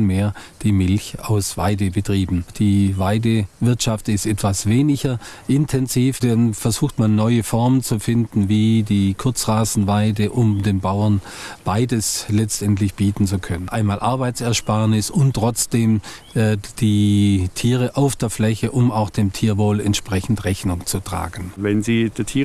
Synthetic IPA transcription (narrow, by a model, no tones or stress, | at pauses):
meːɐd̥iːmɪlça̰ʊsv̥a̰ɪdəbətʁ̥iːbm̩d̥iːvaɪdəvɪɐtʃaftɪstʔɛtv̥asv̥eːnɪçɐʔɪntʰɛnziːfd̥anfɛɐzuːxtmanːɔʏəfɔɐmənt͡sufɪndn̩viːdiːkʰʊɐt͡sʁaːzn̩vaɪdəʔʊmdeːnbaʊɐn | b̥aɪdəslɛt͡stʔɛntlɪçb̥iːtn̩t͡sukʰœnənʔaɪnmaːlʔaɐbaɪt͡sɛɐʃpaɐnɪsʊntʁ̥ɔt͡sd̥eːmː | d̥iːtʰiːʁəʔaʊfd̥eːɐflɛçəʔʊmaʊxd̥eːmtʰiːɐvoːlɛntʃpʁ̥ɛçn̩tʁɛçnʊŋt͡sutʁ̥a̰ːɡən̩vɛnziːd̥eɐtʰiː